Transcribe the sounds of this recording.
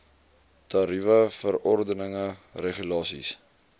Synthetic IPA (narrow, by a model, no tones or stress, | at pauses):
tɑɾivəfəɾɔrdənəŋəreχylɑːsḭs